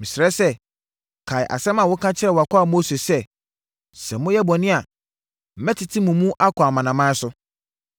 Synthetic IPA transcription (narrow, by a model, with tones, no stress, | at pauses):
mĩ˨sɾɛ˦sɛ˦ | kʰa˨ɪ˨ʔa̰˨sɛ̃˦mã˨wʊ˦kʰã˦t͡ɕʰɪ˦ɛ˦˨wa˨kʰɔ˦a˨mo˦se˨sɛ˦ | sɛ˨mʊ̃˦jɛ˦bɔ˨nɪ̃˦a˨ | m̩˨mɛ̃˦tʰɪ˨tʰɪ˦mũ˨mũ˦ʔa˦kʰɔ˨a˨mã˨nã˨mã˦sʊ˦